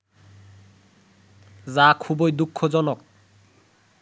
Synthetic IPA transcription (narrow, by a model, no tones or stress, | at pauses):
zakʰubojd̪ukʰːod͡ʑɔnok̚